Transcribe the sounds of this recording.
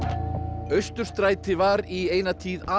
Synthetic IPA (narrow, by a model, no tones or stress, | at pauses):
œɥst̪ʏɾ̥st̪ɾaːjt̪ɪvaɾieːjnat̪ʰiːðaː